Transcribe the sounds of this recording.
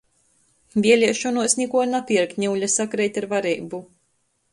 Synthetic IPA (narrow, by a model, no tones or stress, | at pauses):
vʲiɛlʲiɛʃɔnuɔsnʲɛkuɔnapʲiɾkɲʲiwʎʲasakɾɛjt̪ʲaɾvaɾijbu